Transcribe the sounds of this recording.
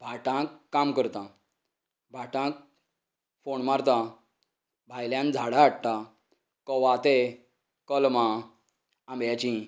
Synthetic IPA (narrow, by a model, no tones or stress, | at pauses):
bʱaʈãkːamkəɾt̪ã | bʱaʈãk̚ | foɳmaɾt̪a | bʱajljãnd͡zʱaɽaːɽt̪a | kɔʋat̪e | kəlmã | ambjat͡ɕĩ